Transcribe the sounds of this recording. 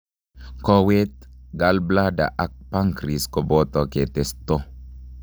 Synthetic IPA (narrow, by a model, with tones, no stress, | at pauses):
kɔ˦we˦t̪̚ɡa˨lbla˦da̰˨ʔa˨k̚pa˦ŋkɾi˨skɔbɔ˦t̪ɔ˨ke˨t̪e˨st̪ɔ˦